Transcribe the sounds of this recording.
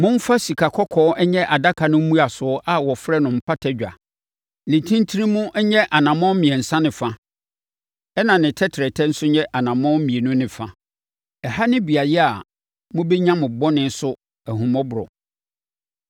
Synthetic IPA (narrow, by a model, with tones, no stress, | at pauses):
mʊ̃˦m̩˦fa˦si˨kʰa˨kʰɔ˦kʰɔː˦ɛ˦ɲɛ˦ʔa˨da˦kʰa˨nʊ̃˦m̩˦mũ˦a˨sʊ˨ɔ˦ʔa˦˨wɔ˨fɾɛ˦nʊ̃˨m̩˦pʰa˦tʰɛ˦d͡ʑᶣa̰˨ | nĩ˨tʰĩ˦n˦tʰi˦ɾĩ˦mʊ̃˦ʔɛ˦ɲɛ˦ʔa˨nã˨mɔ̃˦m̩˦mĩ˨ɛ˨n̩˨sã˦nɪ̃˨fa˦ | ɛ˦nã˨nɪ̃˨tʰɛ˦tʰɪ˨ɾɛ˨tʰɛ˦n̩˦sʊ˦ɲɛ̃˦ʔa˨nã˨mɔ̃˦m̩˦mĩ˨e˨nʊ̃˦nɪ̃˨fa˦ | ɛ˨ha˦nɪ̃˦bi˨a˨jɛ˦a˨ | mʊ̃˦bɛ˦ɲã˦mʊ̃˨bɔ˦nɪ̃˦n˦sʊ˦ | ɛ˨hʊ̃˨mɔ̃˦bʊ˨ɾɔ̰˨